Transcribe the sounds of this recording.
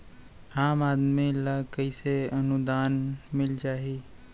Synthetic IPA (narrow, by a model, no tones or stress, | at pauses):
aːmaːd̪milakəɪseənʊd̪aːnmɪld͡ʒaːɦiː